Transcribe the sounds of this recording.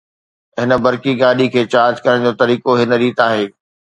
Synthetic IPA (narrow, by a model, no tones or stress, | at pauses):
ɦɪnə̆bɐɾkiɡaːɗikʰeːt͡ɕaːd͡ʑkɐɾəɽ̃d͡ʑoːt̪ɐɾiːkoɦɪnəɾiːt̪aːɦeː